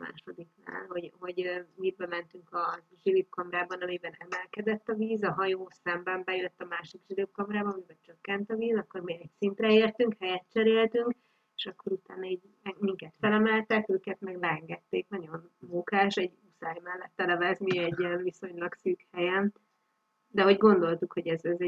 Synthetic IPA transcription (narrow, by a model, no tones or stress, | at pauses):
ma̰ːʃo̞d̪ikna̰ːlho̞ɟho̞ɟmibɛmɛnt̪yŋkɒ | ʒilip̚kɒmɾaːbɒnɒmibɛnɛmɛlkɛd̪ɛt̪ːɒviːzɒɦɒjoːsɛmbɛmbɛjøt̪ːɒmaːʃikʒilip̚kɒmɾaːbɒnɒmibɛnt͡ʃøkːɛnt̪ɒviːzɒkːo̞rmiɛcsint̪rɛeːrt̪yŋkhɛjɛt̪̚t͡ʃɛɾeːlt̪yŋk | eʃɒkːo̞ɾut̪aːnɒiːɟ | ɛmiŋkɛt̪fɛlɛmɛlt̪ɛkøːkɛt̪mɛɡlɛɛŋɡɛt̪ːeːknɒɟo̞nmuŋkaːʃɛɟusaːjmɛlːɛt̪ːɛlɛvɛzmiɛɟːiɛɱviso̞ɲlɒksyːkhɛjɛn | d̪ɛɦo̞ɟɡo̞nd̪o̞lt̪ukho̞ɟɛzɛzɛ